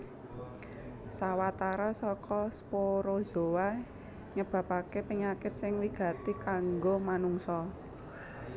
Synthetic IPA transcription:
sawat̪aɾasɔkɔspoɾoz̥o̤wa | ɲəb̥ä̤pakepiŋakɪt̪̚sɪŋwiɡ̥ä̤t̪ikaŋɡomanuŋsɔ

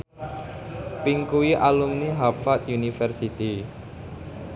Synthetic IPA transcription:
piŋkuwiʔalumniɦapfat̪unifɛrsit̪i

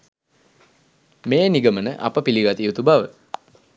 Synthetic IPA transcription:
meːniɡəmənəʔɐ̰pəpiliɡat̪ijut̪ubaʋə

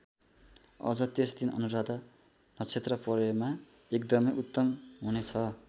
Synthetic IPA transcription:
ʌ̰d͡zʌt̪esd̪inʌ̰nuɾad̪ʌ | nʌt͡sʰet̪rʌpʌɾema | ekd̪ʌmʌjut̪ːʌmɦunet͡sʰʌ

